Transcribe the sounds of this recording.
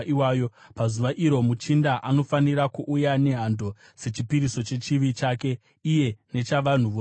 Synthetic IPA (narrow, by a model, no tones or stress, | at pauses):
iwaːjopazuʋaʔiɾo̞mut͡ʃindaʔano̞faniɾakuʔːjane̞ɦando̞ | se̞t͡ʃipiɾiso̞t͡ʃe̞t͡ʃiʋit͡ʃaːke̞ | ije̞ne̞t͡ʃaʋan̤uʋo